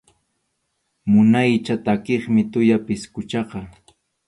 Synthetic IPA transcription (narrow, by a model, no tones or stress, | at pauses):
mʊnajt͡ʃat̪akeχmɪt̪ʊjapɪskʊt͡ʃɑqɑ